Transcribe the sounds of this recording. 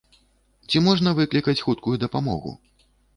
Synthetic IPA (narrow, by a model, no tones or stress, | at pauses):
t͡sʲimɔʐnɐvɨklʲikɐt͡sʲxut̪̚kujud̪ɐpamɔ̰ɣṵ